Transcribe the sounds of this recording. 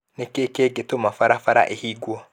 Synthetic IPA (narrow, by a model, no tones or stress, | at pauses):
nekekeːɡetomafaɾafaɾa̰ʔehiːɡwa